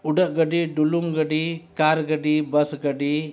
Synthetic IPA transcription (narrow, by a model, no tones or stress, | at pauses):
uɖəʔɡəɖiɖuluŋɡəɖikaɾɡəɖibəsɡəɖi